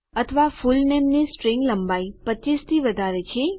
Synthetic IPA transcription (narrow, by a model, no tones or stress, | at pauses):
ət̪ʰəʋafulnemnisʈɾiŋɡləmbaipəist̪ʰiʋəd̪ʱaɾet͡ʃʰe